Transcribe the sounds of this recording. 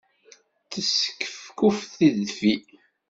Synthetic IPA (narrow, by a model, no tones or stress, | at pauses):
θəsə̥kːə̥fkufθiðfi